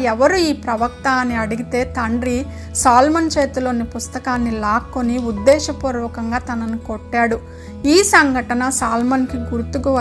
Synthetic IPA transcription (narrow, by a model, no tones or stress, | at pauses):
ɛʋɐɾuiːpɾɐʋɐk̚t̪aːnːiɐɽiɡit̪e̞ːt̪ɐɳɖɾi | saːlmɐnt͡ʃeːt̪ulo̞ːnipust̪ɐkaːnːilaːkːoniud̪ːɛːʃɐpuːɾʋɐkɐŋɡaːt̪ɐnɐnukoʈːaːɽu | iːsɐŋɡʱɐʈɐnɐsaːlmɐnkiɡuɾut̪ukuʋ